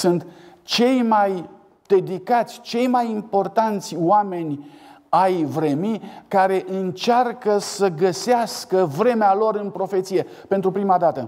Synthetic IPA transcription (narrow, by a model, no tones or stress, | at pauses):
sunt̪t͡ʃe̞jmaj | d̪̥e̞d̪ikat̪sʲt͡ʃe̞jmajimpo̞rt̪ant̪sʲwame̞nʲ | ajvɾe̞mikaɾe̞ʔɨnt͡ʃarkəsəɡəseaskəvɾe̞mealo̞ɾɨnpɾo̞fe̞t̪sije̞ | pe̞nt̪ɾupɾimad̪at̪ə